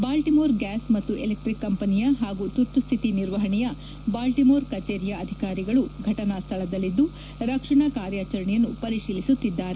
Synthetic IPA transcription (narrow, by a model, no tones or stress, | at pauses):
baːlʈimoːɾɡaːsmɐt̪ːuelek̚ʈɾikːɐmpɐnijɐɦaːɡut̪uɾt̪ːust̪ʰit̪iniɾʋɐɦɐɳɛjɐ | baːlʈimoːɾkɐt͡ʃeːɾjɐɐd̪ʱikaːɾiɡɐɭuɡʱɐʈɐnɐst̪ʰɐɭɐd̪ɐlːid̪ːu | ɾɐkʂɐɳɐkaːɾjaːt͡ʃɐɾɐɳɛjɐnːupɐɾiʂiːlisut̪ːid̪ːaːɾe